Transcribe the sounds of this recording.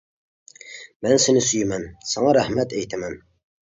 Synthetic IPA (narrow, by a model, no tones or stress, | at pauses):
mɛnsenɪsyjmɛnsɑŋɑɾæhmɛt̪ʰejt̪ʰæmɛn